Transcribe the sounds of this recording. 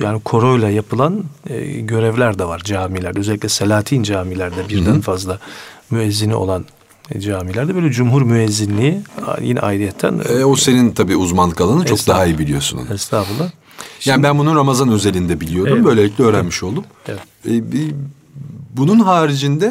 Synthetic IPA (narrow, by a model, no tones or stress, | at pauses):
jaːnikʰo̞ɾojlˠajapʰɯlˠan̰ːɟø̞ɾɛvlʲæɾd̪ɛvaɾd͡ʒaːmilʲæɾd̪ɛøzɛlʲːiclʲɛselʲaːt̪ʰiːnd͡ʒaːmilʲæɾd̪ɛbiɾd̪ænfazlˠamyɛzːiniʔo̞̰lˠan | d͡ʒaːmilʲæɾd̪ɛbøjlʲɛd͡ʒumɦuɾmyɛzːinlʲijḭjḭnɛ̰a̰ːjiɾijɛt̪ʰːæ̰nose̞nint̪ʰabiːuzmanˠɯkʰalˠanɯt͡ʃosk̚d̪aɦaijibilʲijo̞sunṵnɛst̪ʰaːbulˠːa | jaːnibænbununɾamazanø̞ze̞lʲind̪ɛbilʲijo̞ɾd̪umbø̞jlʲeiclʲɛøːɾænmiʃo̞lˠd̪umɛvɛt̪bi | bununɦaːɾid͡ʒind̪ɛ